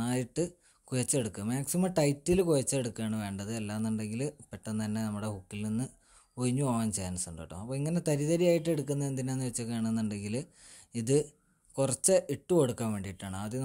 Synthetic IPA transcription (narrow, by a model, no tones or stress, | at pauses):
aːjiʈːɨ | kujɐt͡ɕːeɽukːumaːksimɐʈɐjtːilkujɐt͡ɕːɐeɽukːaːɳɨʋe̞ːɳɖɐðɨelːaːnːuɳɖe̞ŋɡilpeʈːɐnːt̪ɐnːe̞nɐmːuɽe̞hukːilninːɨ | oɻiɲːupoːʋaːnt͡ɕejːaːnɐsuɳɖo̰ʈːṵmɐpːoːiŋːɐne̞t̪ɐɾiðɐɾijaːjiʈːɨe̞ɽukːunːɐend̪ineenːɨʋet͡ɕːɨkaːɳenːuɳɖe̞ŋɡil | iðɨ | kurɐt͡ɕːɨʔiʈːuoɽukːɐmʋe̞ːɳɖijiʈːaːɳɨaðe